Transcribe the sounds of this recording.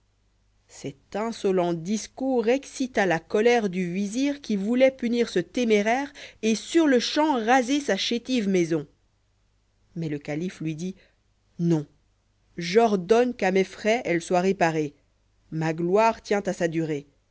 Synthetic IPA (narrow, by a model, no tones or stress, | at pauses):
sɛt̪ɛ̃sɔlɑ̃d̪iskuʁeksit̪alakɔlɛʁd̪yviziʁkʲivulɛpyniʁsət̪emeʁɛʁesyʁləʃɑ̃ʁazesaʃet̪ivmɛzɔ̃ | mɛləkaliflɥid̪i | nɔ̃ | ʒɔʁd̪ɔnkamɛfχɛʔɛlswaʁepaʁe | maɡlwaʁt̪jɛ̃t̪asad̪yʁe